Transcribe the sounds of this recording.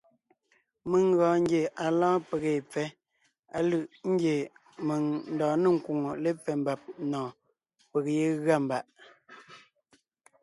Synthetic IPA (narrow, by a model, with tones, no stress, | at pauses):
mə˨ŋ˦ɣɔ̃ː˨˦ŋ̩˦ɡje˨ʔa˨lɔ̃ː˦pe˨ɣe˨p͡fɛ˦ | a˨lɯ˨ʔŋ̩˦ɡje˨ | me˨ŋn̩˦dɔː˨nə˦˨ŋ̩˨ku˨ŋo˨le˦p͡fɛ˨m˦ba˨p̚nɔ̃ː˨ | pe˨ɣje˦ɣa˦˨m˨ba˨ʔ